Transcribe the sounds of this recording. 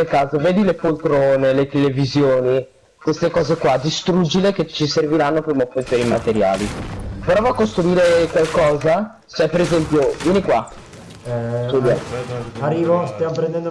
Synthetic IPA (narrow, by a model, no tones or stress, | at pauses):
elkaːzoveːd̪ilepolt̪ɾoːnelet̪elevizjoːni | kwest̪ekɔːzekwad̪ist̪ɾud͡ʒileket͡ʃiserviɾanːopɾimopːent̪jonimat̪eɾja̰ːlipɾɔvakːost̪ɾuiːɾekwalkɔːza | t͡ʃɛpeɾezɛmpjovjɛːnikwa | skud̪jaarːiːvost̪jamopɾend̪ɛnd̪